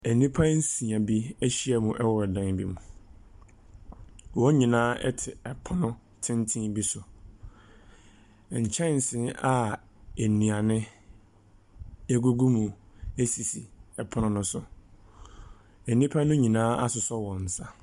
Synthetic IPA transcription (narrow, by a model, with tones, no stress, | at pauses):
æ˨nĩ˦pʰã˦n̩˦sĩ˨ã˨bi˦æ˦ɕi˦ɛ˦mʊ̃˨ʔɛ˦wɔ˨ɛ˨dã˨n˨bi˦mũ˨ | wɔ˦ɲĩ˨nãː˦ʔɛ̰˦tʰɪ˨ɛ˨pʰʊ˦nʊ̃˦ | tʰɪ̃˦n˦tʰɪ̃˦bi˦sʊ˨ | ɲ̩˨t͡ɕʰɛ̃˦˨n̩˨sɪ̃˦na˦ | æ˨nĩ˨a˨nɪ̃˦ | æ˦ɡu˦ɡu˦mũ˨ | e˦si˨si˨ɛ˨pʰʊ˦nʊ̃˦nʊ̃˦sʊ˨ | æ˨nĩ˦pʰa˦nʊ̃˦ɲĩ˨nãː˦a˦sʊ˨sɔ˦wɔ̃˨n̩˨sa˦